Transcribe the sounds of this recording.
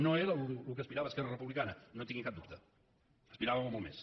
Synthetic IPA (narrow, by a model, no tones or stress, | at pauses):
noeɾəlulukəspiɾaβəːskɛrərəpuβlikanənot̪iŋɡikab̚d̪ṵpt̪ə | əspiɾaβəmomɔlˠmḛs